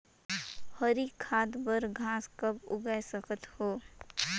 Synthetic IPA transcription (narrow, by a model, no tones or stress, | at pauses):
həɾikʰːaːd̪bəɾɡʱãːskəbʊ̰ɡasəkʰət̪hoː